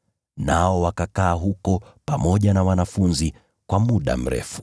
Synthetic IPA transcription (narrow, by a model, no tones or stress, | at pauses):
naɔwakakaːɦukɔpamɔʄanawanafunzi | kwamuɗa̰m̩ɾɛ̰fu̥